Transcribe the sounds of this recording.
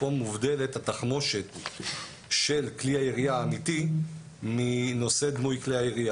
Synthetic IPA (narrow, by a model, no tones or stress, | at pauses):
omuvdelethataχmo̞ʃe̞t̪ | ʃe̞lkliaiʁiaːmiti | mino̞se̞d̪mujkliajiʁia